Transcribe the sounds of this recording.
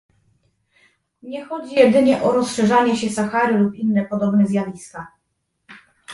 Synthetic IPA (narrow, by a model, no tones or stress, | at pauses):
ɲɛxɔd͡ʑijɛd̪ɘɲɛʔɔɾɔsʂɛʐaɲɛɕɛsaxaɾɘlupinːɛpɔd̪ɔbnɛzʲjavʲist̪a